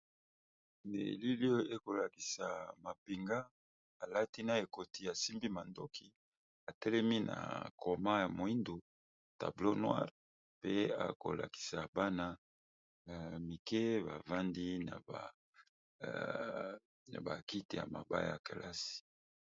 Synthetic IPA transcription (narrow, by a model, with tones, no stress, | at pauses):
nḛ˨li˦li˦o˦e˦ko˨la˨ki˨sa˨ma˨pi˨ŋɡa˦ | a˨la˦ti˦na˨e˨ko˨ti˨a˨si˦mbi˦ma˨ndo˦kʰi˨ | a˨tɛ˦lɛ˦mi˦nʔa̰˨kʰo˨ma˦ja˨mo˨i˦ndo˨ | ta̰˨blo˦nwa̰˦ʁ | pe˦a̰˨ko̰˨la̰˨ki̥˨sa˨ba˦na˦ | a˨mi˨ke˦ba˨va˦ndi˦na̰˨ba˨ | ba˨ki˦ti˨ja̰˨ma˨ba̰˦ja̰˨ke˨lʔa˦si̥˨